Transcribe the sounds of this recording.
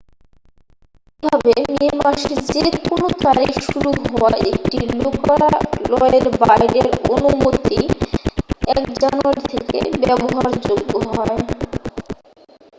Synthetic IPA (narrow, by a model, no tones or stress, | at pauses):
ebʱabeminimaʃd͡ʑekonot̪aɾiʃuɾuɦɔaek̚ʈilokalɔeɾbajɖeɾonumot̪i | ɛkd͡ʑanuaɾit̪ʰekḛbɛboɦaɾd͡ʑoɡːoɦɔe